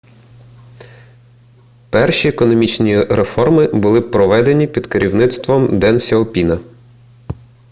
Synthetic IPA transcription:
pɛrʃʲiekɔnɔmʲit͡ʃnʲiɾe̞fɔrmɪbʊlˠɪpɾɔʋɛd̪enʲipʲid̪̥keɾʲiwnɪt̪st̪ʋɔmd̪ɛnsʲɐɔpʲinɐ

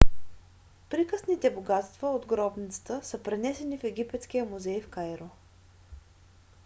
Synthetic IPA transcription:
pɾikəsnit̪ɛboɡat̪st̪vəod̪ɡɾɔbnʲit̪sə̥t̪əsəpɾɛnɛsɛnifɛɡʲipɛt̪sk̟ijəmuzɛjfkajɾo

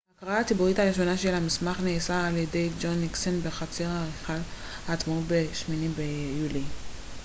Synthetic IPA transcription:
akʁaaatibuʁitaʁiʃo̞naʃelhamismaχneːsaːljede̞jd͡ʒonːiksenbeχat͡seʁaʁiχal | hat̪maubeʃminimbejuli

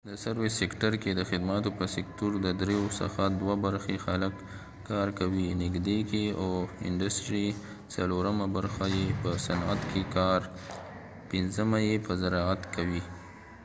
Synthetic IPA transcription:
d̪əsaɾwɪsekʈaɾked̪əxɪd̪mat̪opəsɪktuɾd̪əd̪ɾejosa̰xad̪wabaɾxexaləkː | ɑɾkawinɪɡd̪ekeawɪ̰ɳɖasʈɾi | t͡saloɾəmabaɾxajepəsanat̪kʰekɑɾ | pɪnzəmajepəzaɾɑat̪kawi

